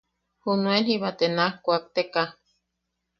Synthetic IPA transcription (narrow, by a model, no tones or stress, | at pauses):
hunuenhiβat̪enahkʷak̚t̪eka